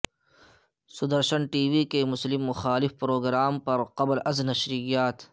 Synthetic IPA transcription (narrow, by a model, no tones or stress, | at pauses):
sʊd̪ɐɾʃɐnʈiːwikemʊslɪmːʊxaːlɪfpɾoːɡɾaːmpɐɾqɐblʔɐznɐʃɾijaːt̪